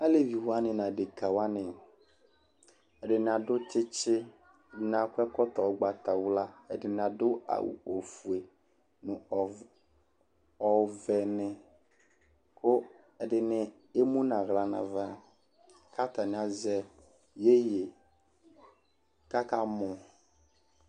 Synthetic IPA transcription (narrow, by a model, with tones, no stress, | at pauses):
a˦le˦˨vi˨hʊ˨˦a˦nɪ̃˨nã˨de˨kʰa˨wa˦nɪ̃˨ | ɛ˨dɪ˨nɪ̃˨a˨dʊ˦tɪ˦t͡ʃɪ˦ | ɛ˨dɪ˨n˨a˨kʷɛ˦kɔ˦tɔ˨˦ɡ͡ba˨tʰa˨wla˦ɛ˨dɪ˨nɪ̃˨a˨dʊ˦a̰˨w̰o˨fu˨e˨ | nʊ̃˨ | ɔ˨vɛ˨nɪ̃˨ | kʰʊ˦ | ɛ˨dɪ˨nɪ˦ | e˦mũ˦nã˨ɣla˨nã̰˨va˦ | kʰa˦t̪a˨nɪ̃˨a˨zɛ˦ | je˦je˨ | ka˦ka˦mʊ̃˨